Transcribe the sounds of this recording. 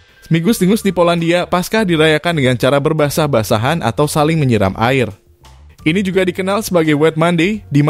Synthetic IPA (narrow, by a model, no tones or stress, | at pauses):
smiɡʊsd̪iŋʊsdipolandiapaskahdiɾajakandəŋant͡ʃaɾabərbasahbasaɦana̰t̪awsalɪŋməɲəɾa̰mʔa̰ɪr | ʔinid͡ʒuɡadikənalsəbaɡajwɛt̪̚mandedim